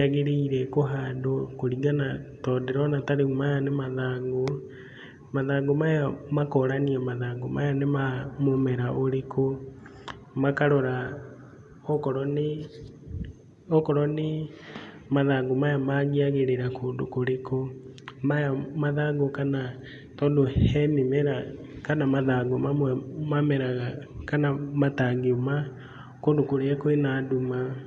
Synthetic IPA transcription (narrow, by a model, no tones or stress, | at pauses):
aɣeɾeiɾɛkoɦaːndokoɾiɡanatɔːdeɾɔnataɾeɣumajanemaðaːŋɡo | maðaːŋɡomajamakɔɾaniamaðaːŋɡomajanemamomɛɾaʔoɾekʰo | makaɾɔɾa | okɔɾɔne | ɔkɔɾɔni | maðaɡomajamaɣiaɣeɾeɾakondokoɾeko | majamaðaɡokana | tɔdohɛmimɛɾa | kanamaðaɡomamwɛmamɛɾaɣakanamataɡioma | kondokoɾeɛkoenaduma